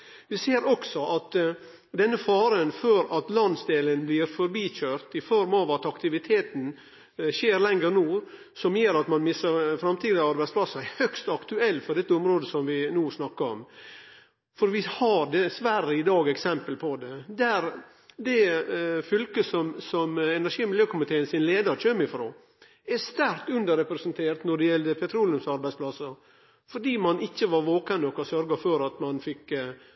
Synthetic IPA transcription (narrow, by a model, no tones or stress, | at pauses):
ʋɪseːɾɔksɔʔɑt̪ | d̪ɛnːəfɑːɾənfɔɾɑt̪lɑnsd̪eːlənblɪːɾfɔɾbiːɕøːɾt̪ɪfɔɾmɑʋɑt̪ɑkt̪ɪʋɪt̪ʰeːt̪n̩ | ɕeːɾlɛŋəɾnuː | sɔmjeːɾɑt̪mɑnmɪsɑɾfɾɑmt̪ʰiːd̪ɪɑɾbæɪtsplɑsæɪhœkst̪ɑkt̪ʉɛlːfɔɖɛt̪ːəʊmɾoːd̪əsɔmʋɪnuːsnɑkːəɾɔ̰m | fɔɾʋɪhɑɾd̪ɛsʋæɾəɪd̪ɑːɡɛksɛmpəlpʰɔd̪ɛd̪æɾ | d̪ɛfʏlkəsɔmsɔmɛnæʂiːmɪljøːkʊmɪt̪ʰeːənsɪnleːd̪ɑɾçœmɪfɾoː | æɾst̪æɾkt̪ʉnd̪əɾɛpɾɛsənt̪ʰeːɾt̪nɔɖɛjɛld̪əpʰɛt̪ʰɾuːlɪʊmsɑɾbæɪspʰlɑsəɾ | fɔɖiːmɑnɪçːəʋɑɾʋoːkənɔkɑsœɾɡɑfɔɾɑt̪mɑnfɪkː